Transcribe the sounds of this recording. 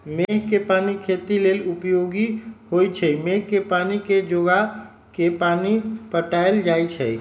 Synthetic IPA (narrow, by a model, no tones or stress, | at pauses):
meɦkepanikʰet̪ilelupjoɡihojt͡ʃʰəmeɦkepaniked͡ʒoɡa | kepanipəʈaeld͡ʒajt͡ʃʰə̰j